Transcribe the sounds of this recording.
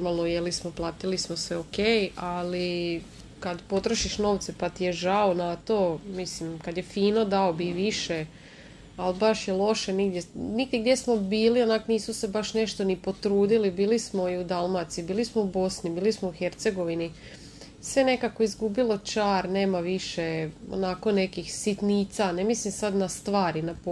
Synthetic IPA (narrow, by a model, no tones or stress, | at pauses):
ɾmalˠnojelismo̞plˠaːt̪ilismoseokeːjali | kad̪po̞t̪ɾoʃiʃno̞ːʋt̪sepat̪ijeʒaonat̪o̞mislimkad̪jefiːno̞d̪aobiʋiʃe | albaʃjelˠo̞ʃeniɡd̪jeniɡ̚d̪jeɡ̚d̪jesmo̞biːlionakoniːsuse̞baʃne̞ʃt̪o̞nipo̞t̪ɾuːd̪ilibiːlismo̞iud̪alˠmat̪sibiːlismoubo̞snibiːlismouxe̞ɾt̪se̞ɡo̞ʋini | sʋe̞ne̞kako̞izɡubilo̞t͡ʃaːɾne̞ːmaʋiʃeo̰nako̞ne̞kixsit̪niːt̪sanemislimsad̪nast̪ʋaːɾinap